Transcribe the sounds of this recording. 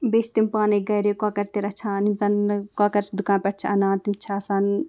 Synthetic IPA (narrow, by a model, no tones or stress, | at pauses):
beːt͡ʃʰt̪impaːneɡɐjɾeːkaːkɐɾt̪eɾɐt͡ʃʰãːnimsɐnkaːkɐɾsd̪ukãːnpʲɛʈ̚t͡ʃʰɐnaːnt̪imt͡ʃʰaːsaːn